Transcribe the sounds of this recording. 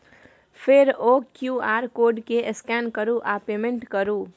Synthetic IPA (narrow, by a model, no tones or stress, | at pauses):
pʰeɾokjuaːɾkoːɖkeʔskɛnkəɾuʔapemẽɳʈkəɾu